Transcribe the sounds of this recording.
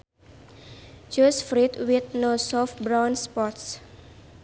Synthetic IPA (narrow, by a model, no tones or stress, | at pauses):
d͡ʒɔsfɾit̪wit̪̚nosɔfbɾawnspɔts